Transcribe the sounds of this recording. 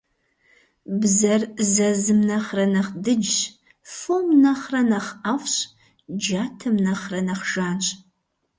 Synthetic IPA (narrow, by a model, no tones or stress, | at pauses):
bzɐrzɐzɨmnɐχrɐnɐχdɨd͡ʒɕ | fomnɐχrɐnɐχɐfɕ | d͡ʒaːtʰɨmnɐχrɐnɐχʒ̥aːnɕʼ